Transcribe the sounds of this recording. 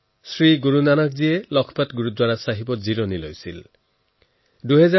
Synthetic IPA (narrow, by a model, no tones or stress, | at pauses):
sɹiɡuɹunanakziɛlɔkʰpatɡuɹut̚dwaɹasaɦibɔtziɹɔnilojsil | duɦɛza